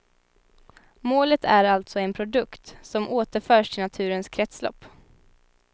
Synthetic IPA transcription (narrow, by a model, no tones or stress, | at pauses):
moːlət̪ʰæɾalt̪sɔɛnpʰɾʊd̪ɵkt̪sɔmʔoːt̪əɾfœːʂʈʰɪlnat̪ʰʉ̟ːɾənskʰɾɛt̪slɔ̰pː